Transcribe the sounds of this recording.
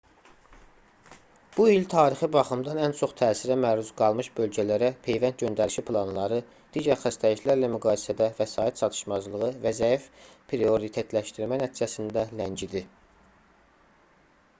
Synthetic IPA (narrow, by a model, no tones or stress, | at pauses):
b̥uilt̪ʰɑːɾixɯbɑχɯmd̪ɑnænt͡ʃʰo̞χt̪ʰæːsiɾæmæɾuzɡɑlˠmɯʃbø̞lɟælæɾæpʰe̞jvænt̪̚ɟø̞nd̪æɾiʃipʰlˠɑnlˠɑɾɯ | d̪̥iːɟæɾxæst̪ʰæiçlæɾlæmyɡɑːjesæd̪ævæsɑːit̪t͡ʃʰɑt̪ʰɯ̥ʃmɑzlˠɯʁɯvæzæifpʰɾio̞ɾit̪ʰe̞t̪ʰlæʃt̪iɾmænæt̪ʰid͡ʒæsind̪ælæɲɟid̪i